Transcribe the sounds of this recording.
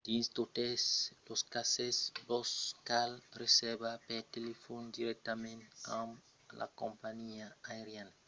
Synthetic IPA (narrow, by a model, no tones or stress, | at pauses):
d̪̥iĩnst̪ut̪esloskasesboskalresebapet̪elefond̪iɾɛk̚t̪amẽnt̪ãm | lʔa̰kõmpaɲiaaeɾjan